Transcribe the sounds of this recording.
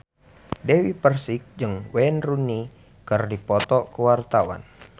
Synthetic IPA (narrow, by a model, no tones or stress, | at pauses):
dɛwipərsik̚d͡ʒɨŋwɛnruni | kərdipɔt̪ɔkəwart̪awa̰n